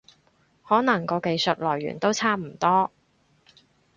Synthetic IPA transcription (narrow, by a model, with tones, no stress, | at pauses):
hɔː˨˥nɐ˨˩ŋkɔː˧ke˧jsɵ˨t̚lɔː˨˩jɥy̰ː˨˩nt̪o˥wt͡sʰaː˥m̩˨˩t̪ɔː˥